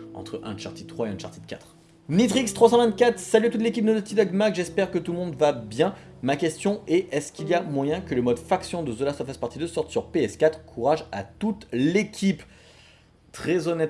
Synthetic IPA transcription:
ɑ̰̃t̪χəʔɛ̰̃ʃa̰ʁt̪it̪χwaeɛ̃ʃa̰ʁt̪id̪kʲa̰t̪χ | nit̪ʁikst̪χwasɑ̃vɛ̃nt̪̚kʲat̪χsalyat̪ut̪̬lekʲip̚nod̪ət̪id̪ɔɡmakʒɛspɛʁkət̪umɔ̃d̪vabjɛ̃ | makʲɛst̪jɔ̃ɛʔɛskʲiliamwajɛ̃kələmɔd̪faksjɔ̃d̪əzolaswafaspaʁt̪id̪əsɔʁt̪syʁpeɛskʲat̪χkʰuʁaʒat̪ut̪lekʲʰip | t̪χɛzɔnɛt̪

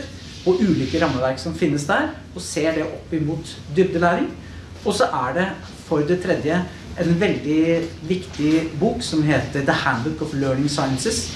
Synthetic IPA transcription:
ɾ | ɔʔʉːliːkəɾɑmːəʋæɾksɔmfɪnːəsd̪æːɾ | ɔseːɖɛʔɔpːɪmuːt̪ | d̪ʏbd̪əlæːɾɪŋ | ɔsɔʔæɖɛ | fɔɾd̪ɛt̪ʰɾɛd̪jə | ʔɛnʋɛld̪ɪʋɪkt̪ɪbuːksɔmɦeːt̪əɾd̪əhænd̪ət̪ɔfløːɖɪŋsɑɪənsəs

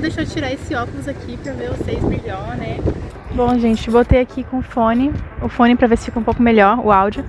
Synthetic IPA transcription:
d̪eʃot͡ʃiɾaesɪɔkʊlʊzakʰipɾɐveɾvosejzmeʎɔɾnɛ | bõw̃ʒẽnt͡ʃɪbot̪ejakʰikõʊfõnɪʊfõnɪpɾɐveɾsɪ̥fikɐ̃powkʊmeʎɔɾʊ̰awd͡ʒʊ

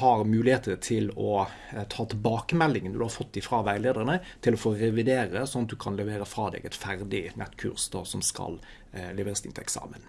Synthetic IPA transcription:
hɑɾmʉːlɪheːt̪ət̪ʰɪlɔ | t̪ʰɑːt̪ʰɪlbɑːkəmɛlːɪŋənd̪d̪ʉhɑfɔt̪̚ːd̪ɪfɾɑːʋæɪleːd̪əʁənət̪ʰɪlɔfoːɾɛʋɪd̪eːɾəsɔnɑt̪̚d̪ʉkʰɑnlɛʋeːɾəfɾɑːd̪ɛ̰ːɡɛt̪fæɾd̪ɪnɛt̪ːkʰʉ̰ɾsd̪o̰ːsɔmskɑ̰l | lɛʋeːɾəst̪ɪ̰nt̪ʰɛksɑ̰ːmən

